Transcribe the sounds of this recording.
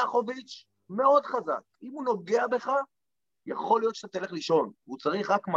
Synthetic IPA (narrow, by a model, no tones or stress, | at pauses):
aχovit͡ʃ | me̞o̞d̪χaza̰kimuno̞ɡe̞abe̞χa | ja̰χo̞lijo̞t̪ʃt̪at̪ele̞χliʃo̞nut͡saʁiχʁakm